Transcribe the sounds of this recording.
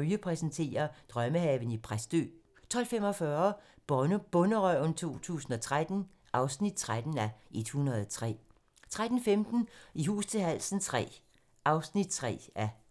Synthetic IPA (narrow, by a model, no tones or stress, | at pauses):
yəpʰʁɛsənt͡sʰe̝̰ːɐd̥ʁɶməhɛːʊən̩ipʰʁasd̥ø̰ː | t͡sʰɒ̽l̰femɒ̽fɶːɐb̥nb̥ɔ̽nəʁœʊnt͡sʰo̝̰ːt͡sʰṵːsn̩ɒ̽t͡sʰʁad̥n̩ | ʔɑ̈ʊsnid̥̚t͡sʰʁad̥n̩æʔe̝d̥hunʁɐðˠt͡sʰʁɛ̰ː | t͡sʰʁad̥n̩femd̥n̩iɦṵːst͡sʰe̝ɦæl̰sn̩t͡sʰʁɛ̰ː | ʔɑ̈ʊsnid̥̚t͡sʰʁɛ̰ːæ